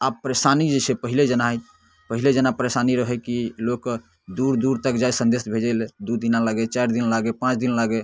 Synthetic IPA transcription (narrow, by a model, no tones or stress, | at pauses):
abpəɾesanid͡ʒesʰepəɦiled͡ʒənaɦt̪ʰ | pəɦiled͡ʒənapəɾesaniɾəɦɛkilok | d̪uɾd̪uɾt̪əkd͡ʒajsə̃nd̪esbʱed͡ʒɛld̪ud̪inalaɡɛt͡ʃajɾd̪inlaɡepãt͡ʃd̪inlaɡɛ